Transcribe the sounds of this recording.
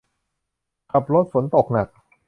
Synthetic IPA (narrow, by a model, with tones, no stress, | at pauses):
kʰa˨˩p̚ɾo˦˥t̪̚fo˩˦nt̪o˨˩k̚na˨˩k̚